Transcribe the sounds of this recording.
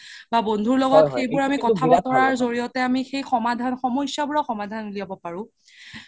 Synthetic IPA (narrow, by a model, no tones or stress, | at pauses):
babondʱuɹlɔɡɔtxejbʊɹamikɔtʰabatɔɹaɹzoɹiɔtɛamixejxɔmadʱanxɔmɔjsjabʊɹaxɔmadʱanuliabɔpaɹʊ̃